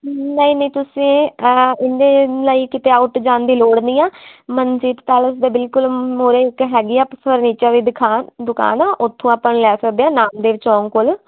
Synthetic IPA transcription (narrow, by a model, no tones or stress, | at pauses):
nəĩːnəĩːt̪ʊsĩːɪnd̪eːlaːiːkɪt̪eːaːʊʈd͡ʒãːnd̪iːloːɽniːãːmənd͡ʒiːd̪t̪aːləsd̪eːbɪlkʊlmoːɾeːɪkɦɛːɡiːaːppʰəɾniːt͡ʃəɾd̪iːd̪ɪkʰaːd̪ʊka̰ːnãːʔʊt̪ʰːõːaːpənlɛːsəkd̪eːãːnaːmd̪eːʋt͡ʃɔːŋkoːl